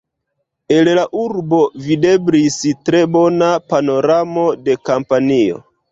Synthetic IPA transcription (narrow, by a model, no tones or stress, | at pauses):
e̞llaʔuɾbo̞vide̞bɾistɾe̞bo̞napano̞ɾamo̞de̞kampanio̞̰